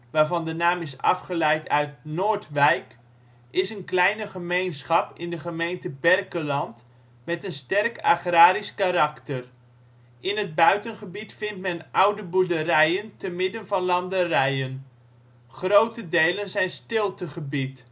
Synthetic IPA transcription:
ʋaːɹvɑndənaːmɪsɑ̰fχəlɛjtʰœɥt̚noːɹtʋɛjk | ʔɪsənklɛjnəχəmejnsχɑpɪndəχəmejntəbɛrkəlɑnt | mɛtənstɛrka̰χraːɾiskaɾɑktər | ʔɪnɦəd̚bœɥtənχəbitfɪntmɛnʔʌwdəbuɹdərɛjəntəmɪdənvɑnlɑndərɛjən | χrowtədejlənzɛjnstɪlˠtəχəbit

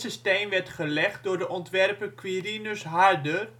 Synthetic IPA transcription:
sistejmʋɛɹtχəlɛχt̚dʊːɹdəʔɔntʋɛrpəkʋirinøsɦaardər

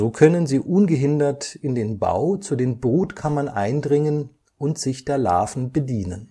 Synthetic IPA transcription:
zoːkʰœnənziːʔʊnɡəɦɪndɐtɪndeːnba̰ʊt͡suːdeːnbʁuːtkʰamɐnʔaɪndʁɪŋən | ʔʊntz̥ɪçd̥eːɐla̰ːfn̩bədiːnən

